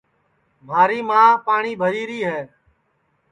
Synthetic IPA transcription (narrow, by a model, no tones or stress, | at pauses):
mʱaːɾiːmãːpaːɳiːbʱəɾiːɾiːɦɛː